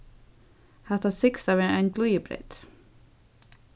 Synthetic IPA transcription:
hɛht̪asɪksavɛːaɪnklujɪpɾɛ̰t̪

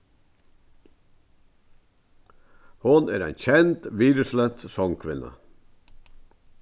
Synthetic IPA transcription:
hʊnæːɾæɪnçɛnt̪ʋiːɾəʂlɛnt̪sɔŋkʰʋɪnːə̰

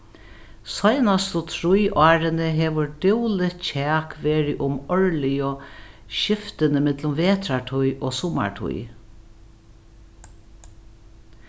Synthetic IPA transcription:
sɔjnast̪ʊt̪ʰɾujʔɑːɾɪnɪɦɛːʋʊɾɖɪwlɪt̪t͡ɕʰɛːkʋeːɾɪʔʊmɔɹlɪjɔʃɪft̪ɪnɪmɪt̪lʊmʋeːt̪ɾaʈʰujʔoːsʊma̰ɹʈʰṵj

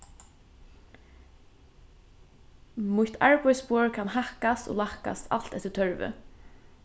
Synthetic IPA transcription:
mʊt̪ʰaɹpɔjspoːɹkʰanɦahkast̪o̰ːlahka̰st̪ʰa̰l̥t̪ɛht̪ːət̪ʰœɹʋɪ̰

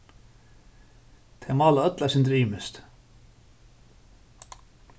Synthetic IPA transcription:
t̪ʰɛmaːlaœt̪lasɪnt̪ɾiːmɪst̪

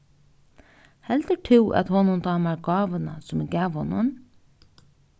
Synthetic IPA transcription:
hɛlt̪əʈʰɪwʔæ̰t̪hɔnʊnt̪ɑːmaɾɡɑːʋəna̰sʊmɪɡæːʋhɔnʊ̰n

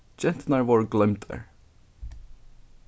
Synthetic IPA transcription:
d͡ʒɛnt̪nɑɹʋɔɹɡlɪmt̪ʰə̰ɹ

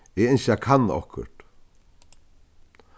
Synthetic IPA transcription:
ɛɣejnsakʰanːɔ̰hkʰʏ̰ɾ̥t̪

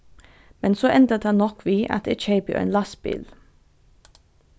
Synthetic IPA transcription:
mɛnsoːʔɛnd̪əd̪ɑnnɔkʰʋiːʔɑ̰t̪ḛt͡ʃeɪbʊ̰ḛːnlɑsbɪ̰l

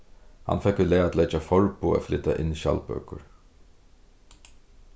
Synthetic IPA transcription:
ha̰nfɛkːəlɛːaːt̪lɛt͡ʃafɔɹpʊa̰flɪt̪aʔɪnːiʃa̰lpœ̰ːkʊɹ

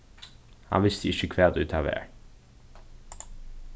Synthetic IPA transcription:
hɑ̰nʋɪst̪əɪçəkʰʋeːd̪ʉːt̪ʰɑʋḛːɹ

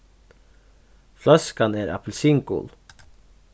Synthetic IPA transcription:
flɑskɑneːɾʔɑ̰pʰl̩sɪŋkʊ̰l

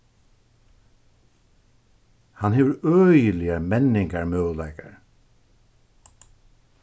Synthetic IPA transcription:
hanɦeːvəɾœːjəlɪjamɛnːɪŋkaɹmœːwlajka̰ɹ

